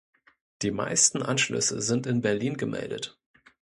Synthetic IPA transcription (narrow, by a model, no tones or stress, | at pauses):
d̥iːma̰ɪstn̩ʔanʃlʏ̰səzɪntɪnbɛɐliːnɡəmɛ̰ldət